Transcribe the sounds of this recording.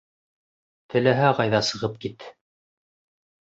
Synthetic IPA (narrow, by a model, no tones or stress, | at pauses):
t̪ʰɘ̆læɦæʁɑjðɑsɤ̆ʁɤp̚kit̪